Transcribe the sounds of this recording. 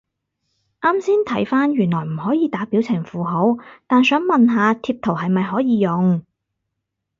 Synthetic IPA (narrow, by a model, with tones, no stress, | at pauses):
ʔaː˥msiː˥nt̪ʰɐ˨˥jfaː˥njyː˨˩nlɔː˨˩jm̩˨˩hɔː˨˥jiː˨˧t̪aː˨˥piː˨˥wt͡sʰɪ˨˩ŋfuː˨ɦo˨˥wt̪aː˨nsœː˨˥ŋmɐ˨nɦaː˨˧t̪ʰiː˧p̚t̪ʰo˨˩wɦɐ˨jmɐ˨jɦɔː˨˥jiː˨˧jʊ˨ŋ